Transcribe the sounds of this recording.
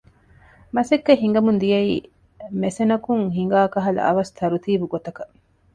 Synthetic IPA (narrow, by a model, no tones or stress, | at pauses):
mɐsekːeɦiŋɡɐmund̪ijɐiː | mesenɐkuŋɦiŋɡaːkɐɦɐlɐ̰ɐ̰ʋɐst̪ʰɐɾut̪iːbuɡot̪ɐkɐ